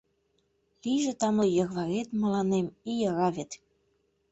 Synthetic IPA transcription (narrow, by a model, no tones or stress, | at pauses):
liʒĕt̪ɑmlɤ̆jɤ̆ɣβɑɣet̪mə̆lɑnemijɑɣɑβʲet̪